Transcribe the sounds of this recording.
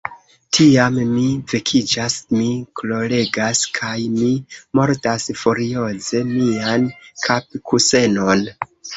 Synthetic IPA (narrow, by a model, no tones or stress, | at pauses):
tʰiammivekʰid͡ʒasmiklo̞le̞ɡaskʰajmimo̞ɾtasfuɾio̞ze̞miankʰap̚kʰuse̞no̞n